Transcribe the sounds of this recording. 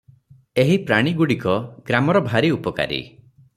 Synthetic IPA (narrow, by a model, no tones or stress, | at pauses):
eɦipɾaɽ̃iɡuɽikɔɡ̥ɾamɔɾɔbʱaɾiupɔka̰ɾḭ